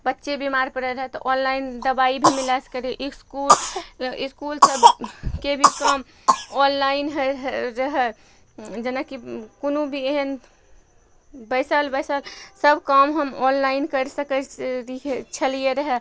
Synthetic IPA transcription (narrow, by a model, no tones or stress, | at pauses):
bətːʃebimaɾpəɽɛɾəɦɛt̪ɔʔɔnlaind̪əbaibʱimilɛsə̥kəɾeʔiskuliskulsəbkebʱikəm | ɔnlainɦəɦɾəɦɛ | d͡ʒenakikonubʱieɦən | bəsəlbəjsəlsəbʱkəmɦəmɔnlainkəɾsəkəɾit͡ʃʰəlijeɾəɦɛ